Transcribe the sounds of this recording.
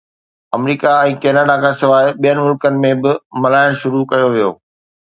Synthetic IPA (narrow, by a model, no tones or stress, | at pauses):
ɐmɾiːkaɛ̃ːkeːnaːɖakʰãːsɪʋaːɪɓijənɪ̆mʊlkənɪ̆mẽbɪmɐlaːɪɽ̃ʃʊɾukɐjoʋijo̰ː